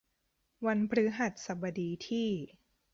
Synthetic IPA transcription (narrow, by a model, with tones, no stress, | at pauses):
wa˧npʰɾɯ˦˥ɦa˨˩t̪̚sa˨˩ba˧diː˧t̪ʰiː˥˩